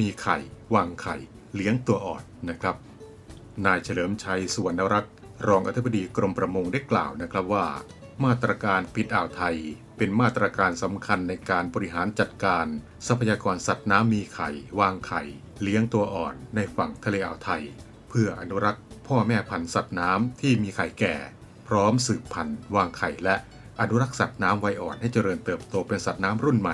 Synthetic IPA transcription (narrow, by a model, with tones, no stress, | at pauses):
miː˧kʰa̰˨˩jwaː˧ŋkʰa̰˨˩j | li˦˥əŋt̪u˧ɐʔɔ̰ː˨˩nːa˦˥kʰɾa˦˥p̚ | naː˧jt͡ɕʰa˧lɤː˩˦mt͡ɕʰa˧jsu˨˩˦ənːa˦˥ɾa˦˥t̪̚ | ɾɔː˧ŋʔa˧t̪ʰi˦˥ba˧diː˧kɾo˧mpɾa˧mo˧ŋda˥˩jkla̰ː˨˩wna˦˥kʰɾa˦˥p̚waː˥˩ | maː˥˩t̪ɾaː˧kaː˧npi˨˩t̪̚ʔaː˨˩wt̪ʰa˧j | pe˧nmaː˥˩t̪ːɾaː˧kaː˧nsa˩˦mkʰa˧nːa˧jkaː˧nbɔː˧ɾi˥ɦaː˩˦nt͡ɕa˨˩t̪̚kaː˧n | sa˧˦˥pʰa˧jaː˧kɔː˧nsa˨˩t̪̚naː˦˥mːiː˧kʰa̰˨˩jwaː˧ŋkʰa˨˩j | li˦˥əŋt̪u˧ɐʔɔ̰ː˨˩nːa˧jfa˨˩ŋt̪ʰa˧leː˧ʔa̰ː˨˩wt̪ʰa˧j | pʰɯ˥˩ɐʔa˧nu˦˥ɾa˦˥k̚pʰɔː˥˩mɛː˥˩pʰa˧nsa˨˩t̪̚naː˦˥mt̪ʰiː˥˩miː˧kʰa˨˩jkɛ̰ː˨˩ | pʰɾɔː˦˥msɯː˨˩pʰːa˧nwaː˧ŋkʰa˨˩jlɛ˦˥ʔ | ʔa˧nu˦˥ɾa˦˥k̚sa˨˩t̪̚naː˦˥mwa˦˥jʔɔː˨˩nha˥˩jt͡ɕa˧ɾɤː˧nt̪ɤː˨˩p̚t̪oː˧pe˧nsa˨˩t̪̚naː˦˥mɾu˥˩nma˨˩j